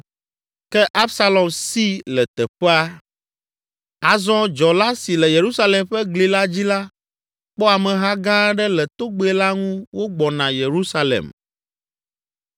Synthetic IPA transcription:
kɛ˦ʔa˦psa˦lɔ˨msi˦lɛ˨t̪ɛ˨ɸɛ˦a˦ | a˨zɔ̃˦d͡ʒɔ˨la˦si˨lɛ˨je˨ɾu˦sa˦lɛ˨mɸɛ˦ɡli˨la˦d͡ʑi˦la˦ | k͡pɔ˦a˨mɛ̃˨ɦa˦ɡã˦ɖɛ˦lɛ˨t̪o˦ɡ͡be˦ɛ˦la˦ŋũ˦wo˦ɡ͡bɔ˨nã˨je˨ɾu˦sa˦lɛ̰˨m

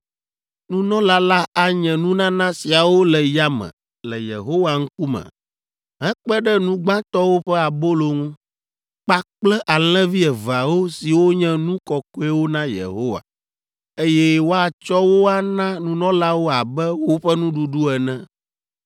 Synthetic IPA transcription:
nũ˦nɔ̃˦la˦la˦a˨ɲɛ̃˨nũ˦nã˦nã˦si˨a˨wo˦lɛ˨ja˦mɛ̰̃˨ | lɛ˨jḛ˨ɦo˦wa˨ŋ̩˦ku˦mɛ̰̃˨ | ɦɛ̃˦k͡pɛ˦ɖɛ˦nũ˦ɡ͡bã˦t̪ɔ˦wo˦ɸɛ˦a˨bo˦lo˨ŋũ˦ | k͡pa˦k͡plɛ˦ʔa˨l̃ɛ̃˦vi˦ɛ˨va˨wo˦si˨wo˦ɲɛ̃˦nũ˦kɔ˨ko˦ɛ˦wo˦nã˦jḛ˨ɦo˦wa̰˨ | e˦jɛ˦wo˦a˨t͡ʃɔ˦wo˦a˦nã˦nũ˦nɔ̃˦la˦wo˦a˨bɛ˦wo˦ɸɛ˦nũ˦ɖu˨ɖu˦ɛ˨nɛ̃˦

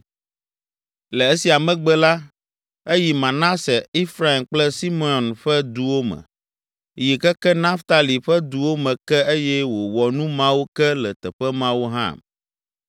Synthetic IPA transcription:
lɛ˨e˦si˨a˨mɛ̃˨ɡ͡bɛ˦la˦ | e˦ji˨mã˨nã˦sɛ˨i˦fɾa˦i˨mk͡plɛ˦si˦me˨˦ɔ˨nɸɛ˦d̪u˨wo˦mɛ̰̃˨ | ji˨kɛ˦kɛ˦nã˦ft̪a˨li˨ɸɛ˦d̪u˨wo˦mɛ̃˨kɛ˦e˦jɛ˦wo˨wɔ˨nũ˦mã˦wu˦kɛ˦lɛ˨t̪ɛ˨ɸɛ˦mã˦wu˦ɦã̰˦˨m

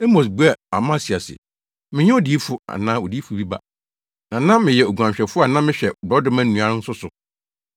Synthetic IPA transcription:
ɛ˦mo˨s̬bu˦ɛ˦˨a˨mã˦˨si˨a˨sɪ̰˨ | mɪ̃˦ɲɛ˦o˦di˨˦e˦fʊ˦a̰˨nã˦o˨di˦fu˨bi˦ba̰˦ | nã˨nã˦mɪ̃˨jɛ˨o˨ɡʷu˨ã˨mɕᶣɛ˨fʊ˦a˨nã˦mɪ̃˦ɕᶣɛ˨bɔ˦dʊ̃˦mã˦nũ˨a˦ɾɪ̃˦n̩˦sʊ˦sʊ˨

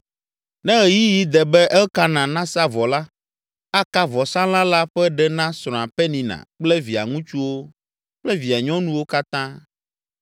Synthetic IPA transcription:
nɛ̃˦ɣɛ˨ji˦ji˦d̪ɛ˨bɛ˦ʔɛ˦ka˦nã˨nã˦sa˦vɔ˨la˦ | a˦ka˦vɔ˨sã˦l̃ã˦la˦ɸɛ˦ɖɛ˦nã˦sɾ̃ɔ̃˨a˨pɛ˦nĩ˨nã̰˨k͡plɛ˦vi˨a̰˨ŋũ˦t͡ʃu˦wo˦ | k͡plɛ˦vi˨a˨ɲɔ̃˦nũ˦wo˦ka˦t̪ã˦

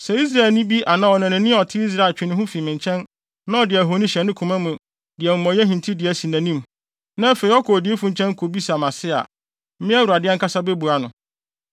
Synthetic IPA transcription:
sɛ˨i˦s̬ɾa˨e˨lnɪ̃˦bi˦ʔa˨nã˦ɔ˨nã˨nɪ̃˨nɪ̃˦ɔ˨tʰɪ˦i˦s̬ɾa˨t͡ɕᶣɪ˨nɪ̃˦ɦʊ̃˦fi˨mɪ̃˨ɲt͡ɕʰɛ̃˦n | nã˦ɔ˨dɪ˨æ˨ɦo˨˦nĩ˦ɕɛ˨nɪ̃˦kʰu˨mã˦mʊ̃˨ | dɪ˨ɛ˨m̩ʊ̃˨mɔ̃˨˦ɛ˦ɦĩ˨n˨tʰi˦dɪ˨æ˨si˨næ̃˨nĩ˦m | nã˦fe˨i˨ɔ˦kʰɔ˨dɪ˨˦e˦fũ˨ɲ̩˨t͡ɕʰɛ̃˦ŋ˦kʰo˨bi˦sa˨mã˨sɪ˦a̰˨˦ | mɪ̃˦ɛ˦wu˨a˨dɪ˦ɛ˦ŋ̩ka˦sa˦be˦bu˨a˨nʊ̃˨

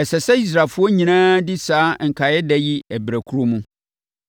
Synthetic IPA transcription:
ɛ˨sɛ˨sɛ˦i˦s̬ɾa˨lfʊ˦ɔ˦ɲĩ˨nãː˦dɪ˦saː˨˦ŋ̩˨kʰa˨jɛ˦dɛ˦ji˦æ˨bɾæ˨kʰu˦ɾo˦mũ˦

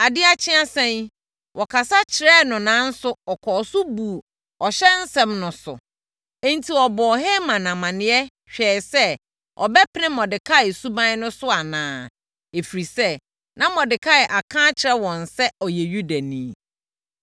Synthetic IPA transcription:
a˨dɪ˦a˨t͡ɕʰɪ̃˦a˦sɛ̃˦n | wʔɔ˨kʰa˨sa˦t͡ɕʰɪ˨ɾɛ˦nʊ̃˨nãː˨˦n̩˦sʊ˦ɔ˨kʰɔ˨sʊ˦bu˨ | ɔ˨ɕɛ˦n̩˦sɛ̃˦mnʊ̃˨sʊ̰˨ | ɛ̃˦n̩˦tʰi˨ɔ˨bɔː˨ɦɛ˦mã˨nã˨mã˨nɪ̃˨˦ɛ˦ | ɕᶣɛː˨sɛ˦ | ʔɔ̰˨bɛ˦pʰɪ˦ɪ̃˦mɔ̃˨dɪ˨kʰa˦ɪ˨su˦bã˦nʊ̃˦sʊ˦a˨nãː˦ | e˨fi˨ɾi˨sɛ˦ | nã˦mɔ̃˨dɪ˨kʰa˦ɪ˨ʔa˨kʰãː˦t͡ɕʰɪ˨ɾɛ˦wɔ̃˨n̩˨sɛ˦ɔ˨jɛ˨ɥu˦da˨nĩː˨˦˨

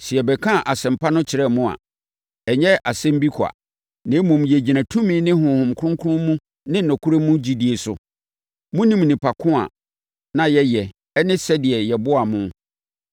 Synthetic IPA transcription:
ɕɪ˨ɛ˨bɛ˨kʰã˦˨ʔa˨sɛ̃˨m̩˨pʰa˦nʊ̃˦t͡ɕʰɪ˨ɾɛ˦mʊ̃˦a̰˨ | ɲɛ˦a˨sɛ̃˦m̩˦bi˦kʰa̰˨ | nɪ̃˨˦mũ˨m˨jɛ˨d͡ʑi˨nã˨tʰũ˦mĩ˦nɪ̃˦ɦʊ̃˨hʊ̃˨m˨kʰʊ̃˦ŋkʰʊ˦ʊ̃˦mũ˦ | nɪ̃˦nʊ̃˨kʰu˦ɾe˦mũ˦d͡ʑi˦di˨e˨sʊ̰˨ | mũ˦nĩ˦˨m˨nĩ˨pʰa˨kʰʊ̃˦a̰˨ | nã˨jɛ˦jɛ˨ | ɛ˦nɪ̃˦sɛ˦dɪ˨ɛ˨jɛ˨bʊ˦a˨mʊ̃˦

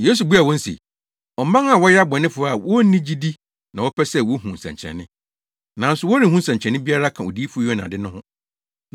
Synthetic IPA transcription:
jeː˦s̬u˨bu˦a˨wɔ̃˦n̩˦sḭ˨ | ɔ˨m˦mã˦ŋa˨wɔ˦ja˦bɔ̃˨nɪ̃˦fʊ˨ɾa˨wɔ˦nĩ˦d͡ʑi˦di˦ | nã˨wɔ˦pʰɛ˦sɛ˦wɔ˦hũ˨n̩˨sɛ̰̃˨ɲt͡ɕʰɛ̰˨nːɪ̃˦ | nã˨n̩˦sʊ˨wɔ˦nĩ˨hũ˦n˦sɛ̃˨ɲ˨t͡ɕʰɛ̃˨n˦ɪ̃˦bi˦a˦ɾa˦kʰã˨o̰˨di˦fʊ˦jɔ˦nã̰˨dɪ˦nʊ̃˦hʊ̃˦

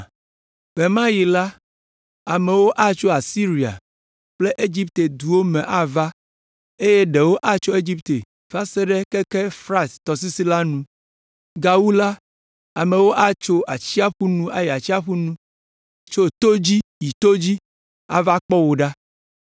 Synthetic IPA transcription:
v̥e˨mã˦ji˨la˦ | a˨me˨wo˦ʔa˦t͡ʃo˦a˨si˦ɾi˨a̰˨ | k͡ple˦ʔe˦d͡ʑi˦p̚t̪e˨d̪u˨wo˦mẽ˨ʔa˦va˦ | e˦je˦ɖe˨wo˦ʔa˦t͡ʃo˦e˦d͡ʑi˦pt̪e˨ | fa˦se˦ɖɛ˦ke˦ke˦fɾã˦st̪ɔ˨s̬i˦si˦la˦nũ˦ | ɡa˨wu˦la˦ | a˨me˨wo˦ʔa˦t͡ʃo˦ʔa˨t͡ɕi˦a˦ɸu˦nũ˦ʔa˨ji˨a˨t͡ɕi˦a˦ɸu˦nũ˦˨ | t͡ʃo˦t̪o˦d͡ʑi˦ji˨t̪o˦d͡ʑi˦ | a̰˦va˦k͡pɔ˦wo˨ɖa˦

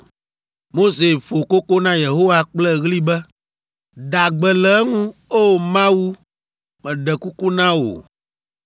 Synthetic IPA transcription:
mo˦se˨ɸo˨ko˦ko˦nã˦je˨ɦo˦wa˨k͡plɛ˦ɣli˦bɛ˦ | d̪a˨ɡ͡bɛ˨lɛ˨˦ŋũ˦o˦˨mã˦wu˦ | mɛ̃˨ɖɛ˨ku˦ku˦nã˦wo̰˨

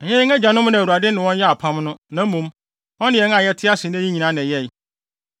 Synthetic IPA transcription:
ɛ˨ɲɛ̃˦ŋæ˦d͡ʑã˨nʊ̃˦m˦nã˨u˨a˨dɪ˦nɪ̃˨wɔ̃˦n˦jɛ˦a˨pʰã˦mnʊ̃˦nã˨m̩˦mũ˨˦m | ɔ̃˦nɪ̃˦jɛ˨˦ŋ˦ã˨jɛ˦tʰɪ˦a˦sɪ˨n˦æ˦ĩ˦ɲĩ˨nã˦ñ˨jɛ˦˨

